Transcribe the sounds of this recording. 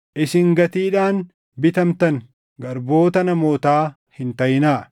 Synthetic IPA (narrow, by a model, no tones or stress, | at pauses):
ʔɪsɪŋɡɐt̪iːᶑaːn | bɪt̪ɐmt̪ɐŋ | ɡɐɾbo̞ːt̪ɐnɐmo̞ːt̪aː | hɪnt̪ɐjɪnaː